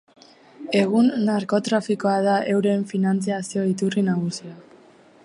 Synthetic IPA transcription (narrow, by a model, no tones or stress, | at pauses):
e̞ɣunːaɾko̞t̪ɾafiko̞að̞aʔe̞wɾe̞ɱfinant͡siasio̞it̪urinaɣ̞usia